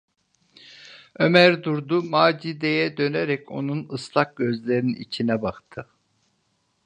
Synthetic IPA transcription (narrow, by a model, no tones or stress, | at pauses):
ømæɾd̪uɾd̪umaːd͡ʒid̪ejɛd̪ø̞neɾɛcʰo̞̰nunɯslˠak̚ɟ̥ø̞zlʲeɾiniḭt͡ʃʰinɛbakt̪ʰɯ